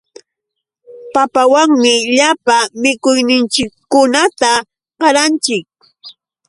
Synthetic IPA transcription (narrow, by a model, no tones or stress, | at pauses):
papawaŋmɪʎapamɪkʊjnɪnt͡ʃɪkːʊnat̪a | ɢɑɾant͡ʃɪk̚